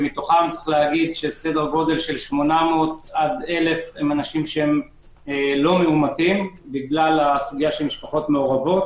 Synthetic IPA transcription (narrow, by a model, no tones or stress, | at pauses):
mit̪oχamt͡sʁeiχlehaɡid̪ʃe̞sedeʁɡo̞d̪e̞lʃe̞lʃmo̞nameot̪ad̪e̞le̞fhemanaʃimʃehem | lo̞meumatimbiɡlalasuɡijaʃe̞lmiʃpaχo̞t̪me̞oʁavo̞t̪